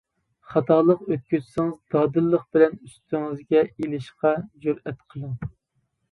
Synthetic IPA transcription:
χɑt̪ʰɑlˠəqøt̪̚kʲyzsɪŋɨzd̪ɑːd̪ɨlːəχbɪlɛnyst̪ʰyŋɪzɡʲɛelɪʃqɑd͡ʒøɾɛt̪qʰəlˠəŋ

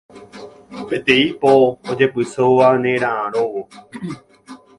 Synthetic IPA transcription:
pet̪eipoːd͡ʒepɨsoʋanẽɾããɾoʋo

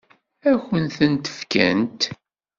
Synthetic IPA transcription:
æçənθənt̪ə̥fkæ̰nt̪

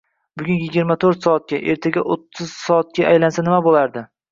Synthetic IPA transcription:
bʊɡʲʊnjɪɡʲɪɾmat̪ʰoɾt̪sɒːt̪̚kʲaʔe̞ɾt̪ʰaɡʲaʔot̪ʰːʊz̥sɒːt̪̚kʲaʔajlansanɪmabolaɾd̪ɪ

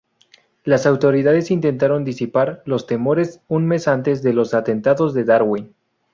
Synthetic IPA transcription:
lasawt̪o̞ɾiðaðe̞sint̪e̞nt̪aɾo̞nd̪isipaɾlo̞st̪e̞mo̞ɾe̞sunme̞sant̪e̞zðe̞lo̞sat̪e̞nt̪aðo̞zðe̞ðaɾɣwin

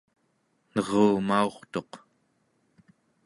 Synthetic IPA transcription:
nʌʁuːmao̞χt̪o̞q

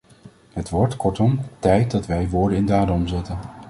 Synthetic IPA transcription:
ɦətʋɔɹtkɔɹtɔmtɛjt̚dɑtʋɛjʋʊːɹdənɪndaːdɔmzɪtən

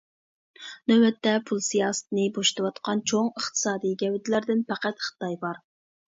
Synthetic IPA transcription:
nøwɛt̪ːɛpʰulˠsijɑːsɨ̥t̪ʰnɨboʃt̪ɨwɑt̪qʰɑnt͡ʃʰoŋəχt̪ʰɨ̥sɑːd̪ijɡʲɛwɪt̪ʰɪlæɾd̪ɪnpæqæt̪χɨ̥t̪ɑjbɑɾ

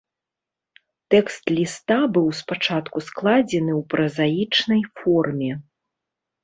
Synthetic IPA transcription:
t̪ɛkst̪lʲist̪abɨwspat͡ʂat̪kusklˠad͡zʲɛnɨwpɾɐzajit͡ʂnɐjfɔrmʲɛ

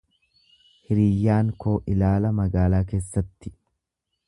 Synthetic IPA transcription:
hɪɾiːjːaːŋko̞ːʔɪlaːlɐmɐɡaːlaːke̞ːsːɐt̪ːɪ̥

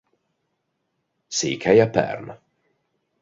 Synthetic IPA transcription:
sḭːkʰajapʰɛ̰ɾna

